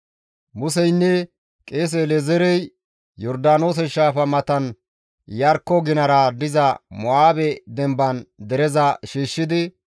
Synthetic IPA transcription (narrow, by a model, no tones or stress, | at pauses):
mʊsɛjnːɛ | kʼe̞ːs̬ɛlɛzɛɾɛj | jɔɾd̪aːno̞ːs̬ɛʃaːfɐmɐt̪ɐn | jɐɾkːɔɡɪnɐɾɐd̪ɪzɐmɔaːbɛd̪ɛmbɐnd̪ɛɾɛzɐʃiːʃːɪd̪ɪ